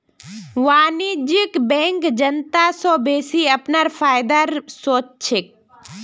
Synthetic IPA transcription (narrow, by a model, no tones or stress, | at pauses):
ʋaːnid͡ʒikbẽːŋkd͡ʒənt̪asobeːsiɐpnaɾfʰaːjd̪aɾsoːt͡ʃt͡ʃʰek̚